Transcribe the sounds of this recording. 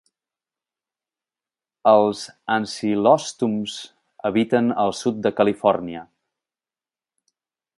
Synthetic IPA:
əlˠzansilɔst̪umz̥ | əβit̪ənəlˠsut̪̚d̪əkəlifɔrniə

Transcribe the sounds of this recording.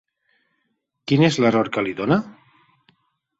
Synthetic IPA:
kinezleroɾkaliðona

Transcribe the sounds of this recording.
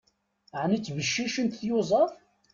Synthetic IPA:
ʕnit͡sːvəʃːiʃənt̪θjʊzˤɑf

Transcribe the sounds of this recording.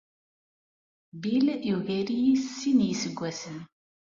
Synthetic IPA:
biljuʝæɾijissinjisəɡʷːæsən

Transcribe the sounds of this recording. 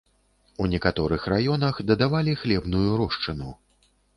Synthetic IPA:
unʲɛkat̪ɔɾɨxrajɔnɐxd̪ɐd̪avalʲixlʲɛbn̪ujuɾɔʂt͡ʂɨnu

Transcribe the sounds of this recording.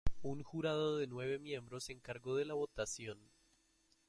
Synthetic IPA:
uŋxuɾað̞o̞ðenwe̞β̞e̞mje̞mbɾo̞seŋkaɾɣo̞ðe̞laβo̞t̪asjo̞n

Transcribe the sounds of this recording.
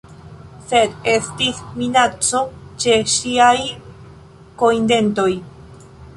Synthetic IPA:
se̞d̪e̞stisminat͡so̞t͡ʃe̞ʃiaj | ko̞jnde̞nto̞j

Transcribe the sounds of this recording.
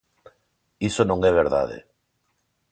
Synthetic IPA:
isonõŋɛβ̞eɾða̰ð̞ḛ

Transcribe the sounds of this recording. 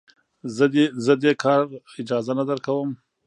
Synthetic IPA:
zəd̪ezəd̪ekʰɑɾ | ɪd͡ʒɑzanad̪əɾkawəm

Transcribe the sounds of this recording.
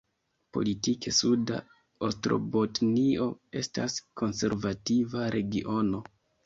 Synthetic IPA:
po̞̰litikesuda̰ | ostɾo̞̰botnio̞e̞staskʰo̞nse̞̰ɾvativaɾe̞ɡiʔo̞no̞

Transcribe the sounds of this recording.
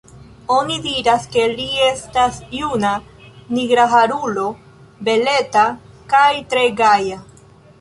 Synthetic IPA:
o̞nidiɾaske̞liestasjunaniɡɾaɦaɾulo̞ | be̞le̞ta | kajtɾeɡaja

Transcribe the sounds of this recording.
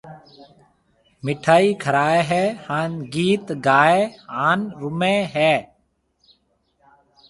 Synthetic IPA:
mɪʈʰaːiːkʰəɾaːeːɦɛːhaːnɡiːt̪ɡaːeːaːnɾʊmẽːɦɛː

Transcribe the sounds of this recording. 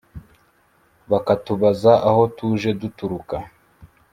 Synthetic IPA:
βakatuβazaʔaho̞tuːʒe̞dutuɾuka

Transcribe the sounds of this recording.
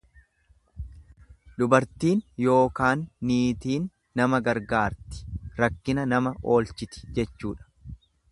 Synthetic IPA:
ᶑ̪ʊbɐɾt̪iːnjo̞ːkaːnːiːt̪iːnː | ɐmɐɡɐɾɡaːɾt̪ɪ̥ɾɐkːɪnɐnɐmɐʔo̞ːlt͡ʃɪt̪ɪ̥d͡ʒɛt͡ʃːuːᶑɐ̥

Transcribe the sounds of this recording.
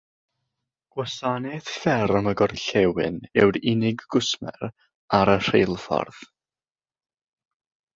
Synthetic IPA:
ɡ̥wasanɛθfɛɾəməɡɔrɬɛwɪ̰nɛwɾɪnɪɡːʊsmɛ̰ɾ | aɾər̥ejlˠfɔ̰rð̥

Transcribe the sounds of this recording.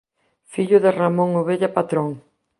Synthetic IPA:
fiʎʊðɪramõŋoβeʎapat̪ɾoŋ

